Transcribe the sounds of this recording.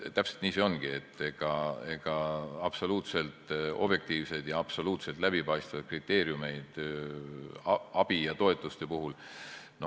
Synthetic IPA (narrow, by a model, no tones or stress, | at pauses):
t̪æpselt̪niːseo̞nɡ̥ie̞t̪ˑːe̞ɡ̥ɑe̞ɡ̥ɑɑb̥so̞luːt̪se̞lt̪ˑo̞̰b̥je̞k̚t̪iːvse̞d̪̥jɑɑb̥so̞luːt̪se̞lt̪læb̥ipɑjst̪vɑjd̪̥̚krit̪ːe̞ːɾjume̞jd̪̥ | ɑb̥ijɑt̪o̞e̞t̪ːˑust̪e̞puɦul | no